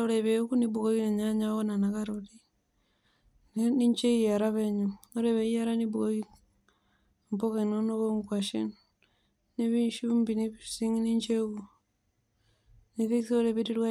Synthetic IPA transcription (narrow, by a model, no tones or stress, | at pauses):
oɾeβekuniβuɣoieɲaɲaɣonanakaɾuɾi | nniɲt͡ʃeiaɾaβeɲuoɾeβeiaɾaniβuɣoi | mpokenonoβoŋkwaʃḛn | niβinʃumbiniβisiŋniɲt͡ʃeɣu | niβisioɾeβiɾiɾwa